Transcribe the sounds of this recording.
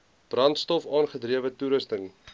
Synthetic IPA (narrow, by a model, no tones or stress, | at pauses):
b̥rɐntstɔfɑːnχədriəvətuɾəstəŋ